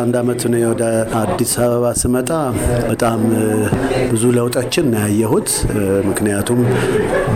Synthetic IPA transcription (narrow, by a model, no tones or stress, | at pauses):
and̪amət̪nəwjwɔd̪əad̪ːisaβəβasɨmət̪ʼabət̪ʼam | bɨzuləwt̪ʼot͡ʃːɪnɨnɨjajːɛɦut̪mɨknɨjat̪ʰum